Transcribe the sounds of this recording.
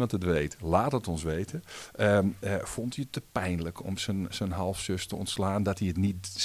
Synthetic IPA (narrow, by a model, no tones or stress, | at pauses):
mɑntətʋejtlaːthətɔnsʋejtʰəəfɔntiətːəpɛjnləkʰɔ̰msəsənɦɑlˠfsøstəɔ̰ntslaːndɔtiətnit